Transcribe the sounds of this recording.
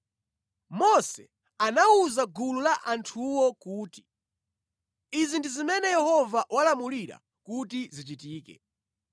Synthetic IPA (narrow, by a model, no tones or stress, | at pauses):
mɔsɛ | anauzaɡululaʔantʰuwɔkuːti̥ | izindizimɛnɛjɛhɔvawalamuliɾa̰ | kutizit͡ʃ̬itiːkɛ̰